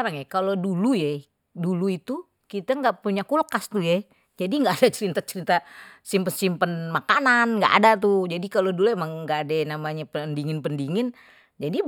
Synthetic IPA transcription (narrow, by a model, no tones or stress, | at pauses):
ɾaŋjakalodulujɛ | duluit̪u | kit̪aŋɡaʔpuɲakulkast̪ujɛ | d͡ʒadiŋɡaːdat͡ʃəɾit̪at͡ʃəɾit̪asimpənsimpənmakananŋɡa̰ʔa̰dat̪ud͡ʒadikaloduluemaŋŋɡaːdanamaɲapəndiŋɪnpəndiŋɪn | d͡ʒadi